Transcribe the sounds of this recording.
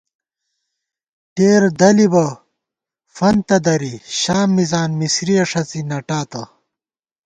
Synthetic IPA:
ʈeːɾd̪ɐlibɐ | fɐnt̪ɐd̪ɐɾiɕaːmːizaːnmisɾiɐʂɐt͡sinɐʈaːt̪ɐ

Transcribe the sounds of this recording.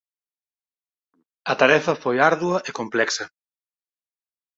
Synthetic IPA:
ɐt̪aɾɛfɐfojaɾðuɐʔekomplɛksɐ

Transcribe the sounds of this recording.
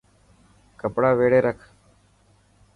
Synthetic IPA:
kəpɽaːʋeːɽeːɾəkʰ

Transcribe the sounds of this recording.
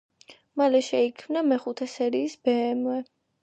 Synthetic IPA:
malɛʃɛikʰmnamɛχut̪ʰɛsɛɾiːsbɛːmwɛ

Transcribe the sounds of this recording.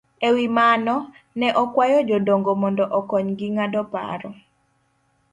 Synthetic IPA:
ewimanɔ | nɛʔɔkwajɔd͡ʒɔdoŋɡomɔndɔʔɔkɔɲɡɪŋadɔpa̰ɾɔ

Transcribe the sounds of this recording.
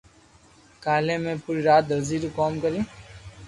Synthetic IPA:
kaːlẽːmẽːpuɾiɾaːt̪̚d̪əɾziːɾukoːmkəɾĩː

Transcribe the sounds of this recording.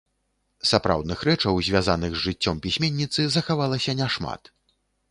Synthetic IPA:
sapɾa̰wd̪nɨxɾɛt͡ʂɐwzʲvʲazanɨɣzʲʐɨt͡sʲːɔmpʲisʲmʲenʲːit̪sɨzɐxavalˠɐsʲɐnʲɛʂma̰t̪

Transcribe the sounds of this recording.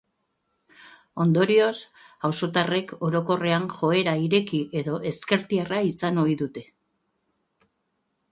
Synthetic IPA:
o̞nd̪o̞ɾio̞s | awso̞t̪are̞ko̞ɾo̞ko̞re̞anʝo̞e̞ɾaiɾe̞kiʔe̞ðo̞ʔe̞ske̞ɾt̪iaraisano̞iðut̪e̞

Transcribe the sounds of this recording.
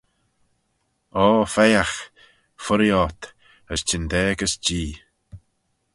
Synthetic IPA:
ɔːfɛjax | fʊɾjɔt̪ | əstʰɪnd̪ɛːɡəsd͡ʒiː

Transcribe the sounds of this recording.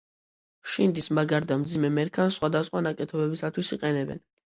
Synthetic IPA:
ʃind̪ismaɡaɾd̪amd̪zimɛmɛɾkʰansχwad̪asχwanakʼɛt̪ʰɔbɛbisat̪ʰwisiqʼɛnɛbɛ̰n

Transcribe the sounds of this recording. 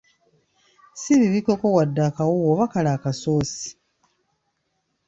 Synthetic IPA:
siβiβiko̞ko̞wadːakawowoβakalaːkaso̞ːsi̥

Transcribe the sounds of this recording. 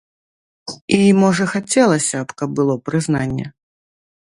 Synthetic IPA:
imɔʐɐxat͡sʲɛlˠɐsʲɐpkɐb̚bɨlˠɔpɾɨznanʲːɛ̰

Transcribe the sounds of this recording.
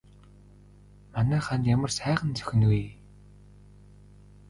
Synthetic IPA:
manæːχanjamə̆rsæːʁə̆nt͡sœ̥xʲɪ̆nɡuj

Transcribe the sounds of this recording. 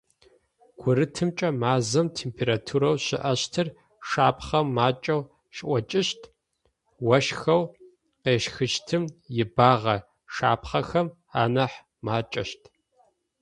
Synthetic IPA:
ɡ̥ʷʊɾɨtʰɨmt͡ʃʼɐmaːzɐmtʰeːmpʰeːɾatʰuːɾɐwɕɪ̰ʔɐɕtʰɨr | ʂaːpʰχɐmːaːt͡ʃʼɐw | ʃʔʷɐt͡ʃʼɪʃtʰʼ | wɐʃxɐw | qeːʃxɨʃtʰɨmjɪbaːʁɐ | ʂa̰ːpʰχɐxɐm | a̰ːnɐħ | maːt͡ʃʼɐʃtʰʼ

